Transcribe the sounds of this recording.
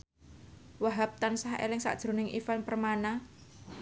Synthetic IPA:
waɦap̚t̪ansahḛlɪŋsa̰ʔd̥ʒ̥ɾo̤nɪŋʔifanpərmana

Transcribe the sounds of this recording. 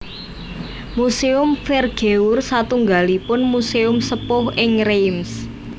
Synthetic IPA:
museʊmfɛrɡ̥eursat̪uŋɡalipʊnmuseʊmsəpʊhɪŋɾejms

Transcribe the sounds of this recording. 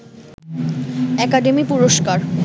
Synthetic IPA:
ɛkaɖemipuɾoʃkaɾ

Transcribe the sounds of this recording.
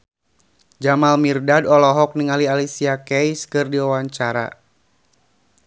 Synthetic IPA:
d͡ʒamalmirdadɔlɔɦɔk̚niŋalialisiakɛjskɨrdiawaɲt͡ʃaɾa̰

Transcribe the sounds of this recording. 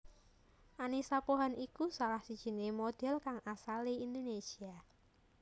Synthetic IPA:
ʔanisapuɦanikusalahsid̥ʒ̥i̤nemod̪̥ɛ̤lkaŋasaliind̪onesia

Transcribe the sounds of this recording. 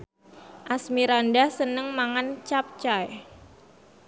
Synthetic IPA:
ʔasmiɾandasənəŋmaŋant͡ʃap̚t͡ʃaj

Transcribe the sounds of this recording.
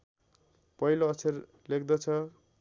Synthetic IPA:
pʌɦiloːsʰer | lekd̪ʌt͡sʰʌ

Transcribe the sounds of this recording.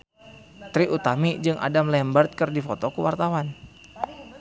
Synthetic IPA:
t̪ɾiʔut̪amid͡ʒɨŋʔa̰damlɛmbərt̪̚kɨrdifot̪okəwa̰rt̪awan

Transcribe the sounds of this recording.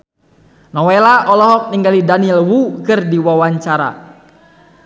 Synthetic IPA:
nɔwelaʔɔlɔɦɔk̚niŋɡalidaniɛlwukɨrdiwawaɲt͡ʃaɾa̰

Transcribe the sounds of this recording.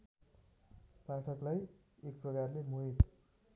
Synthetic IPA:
paʈʰʌklaj | ek̚prʌkarlemuɦit̪

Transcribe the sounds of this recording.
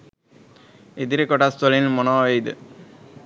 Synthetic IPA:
ed̪iɾekɔʈast̪olinmonɔʋejd̪ə

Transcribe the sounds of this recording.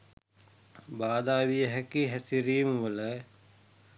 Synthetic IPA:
baːd̪aːʋijəɦækiɦæsiɾiːməʋələ

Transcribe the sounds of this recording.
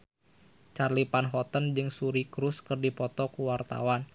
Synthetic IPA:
t͡ʃarlipanɦɔt̪ənd͡ʒɨŋsuɾikɾuskɨrdipɔt̪ɔkuwart̪a̰wan

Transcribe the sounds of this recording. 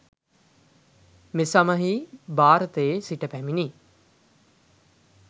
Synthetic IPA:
mesɐmɐɦibaːɾət̪eːsiʈepɛmini

